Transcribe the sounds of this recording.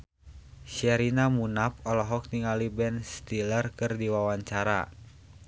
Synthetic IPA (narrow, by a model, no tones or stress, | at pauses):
ʃiaɾinamunapɔlɔɦɔk̚t̪iŋalibɛnst̪ilərkɨrdiwawaɲt͡ʃaɾa̰